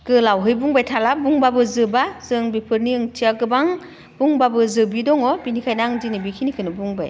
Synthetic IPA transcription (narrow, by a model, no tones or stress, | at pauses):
ɡ̥ɯlawɦɯjbuŋbajtʰalabuŋbabɯzɯbaz̥ɯŋbipʰɯɾniɯŋtʰiaɡɯbaŋ | b̥uŋbabɯzɯbidɔŋɔbinikʰajnaŋzinibikʰinikʰɯnɯbuŋba̰j